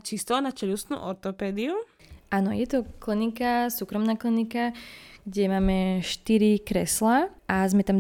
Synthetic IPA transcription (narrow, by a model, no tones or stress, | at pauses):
t͡ʃist̪ɔːnat͡ʃɛʎusnṵːʔɔɾt̪ɔpɛːd̪iu | ʔanɔ̰jɛt̪ɔklinikasuːkɾɔmnaːklinikaɡ̥ɟɛmaːmɛʃt̪iɾikɾɛ̰slaʔazmɛt̪am